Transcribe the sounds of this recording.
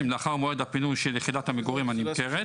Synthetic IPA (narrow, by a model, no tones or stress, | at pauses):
mleaχaʁmoed̪apinujʃeljeχidat̪hameɡoʁimanimkeʁe